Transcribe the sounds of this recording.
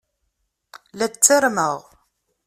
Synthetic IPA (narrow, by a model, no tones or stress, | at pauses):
læt͡sːəɾməʁ